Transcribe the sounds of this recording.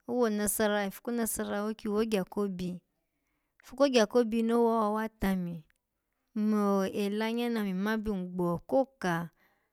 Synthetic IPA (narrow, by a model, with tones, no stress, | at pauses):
o˦wo˦˨nã˧sa˧ɾa˧e˨fu̥˧ko˦nã˧sa˧ɾa˧wo˦ki˦wo˦ɡa˨ko˦bi˧˨ | fu˦ko˦ɡa˨ko˦bi˧no˦wɔ˦wa˧˦wa˦˨ta˧mĩ˨˦ | mo˨e˨la˧ɲã˦nã˧˨mĩ˨mã˨˦bi˧˦˨ŋ̩˨ɡ͡bɔ˨ko˦˨ka˨